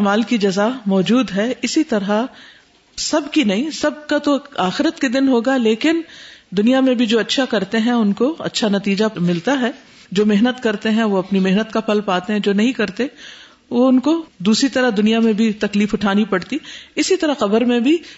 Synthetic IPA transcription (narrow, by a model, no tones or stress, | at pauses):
maːlkid͡ʒɐzamɔːd͡ʒuːd̪ɦɛɪsit̪ɐɾa | sɐbkinɐɦĩsɐb̚kat̪oaːxɪɾət̪ked̪ɪnɦoːɡaleːkɪnd̪ʊnijamẽbʱid͡ʒoːɐtːʃʰakɐɾt̪eɦɛ̃ʊnkoɐ̰tːʃʰanɐt̪iːd͡ʒamɪlt̪aɦɛ | d͡ʒoːmeɦnət̪kɐɾt̪eɦɛ̃ʋoɐpnimeɦnət̪kapʰɐlpaːt̪eɦɛ̃d͡ʒoːnɐɦĩkɐɾt̪e | ʋoʊnkod̪uːsɾit̪ɐɾəɦd̪ʊnijamẽbʱit̪ɐkliːfʊʈʰaːnipɐɽt̪iɪsit̪ɐɾəxɐbəɾmẽbʱi